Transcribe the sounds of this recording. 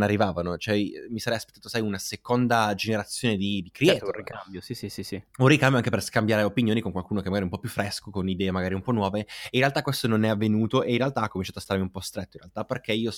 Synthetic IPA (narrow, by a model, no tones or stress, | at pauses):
narːivaːvanot͡ʃoɛmisaɾɛjaspet̪ːat̪osajunasekond̪ad͡ʒeneɾat̪sːjoːned̪id̪ikɾiɛikambjosisisiunrikambjoaŋkeperskambjaːɾeopinjoːnikoŋkwalkuːnokemːaɡaɾiumpɔpːjufːɾɛskokonid̪ɛːemaɡaːɾiumpɔnːwɔːveeinrealt̪akːwest̪ononɛavːenuːt̪oʔeinrɾealt̪aakːomint͡ʃaːt̪oast̪aɾmiumpɔst̪ɾet̪ːoinɾrḛalt̪aperk̟eiːo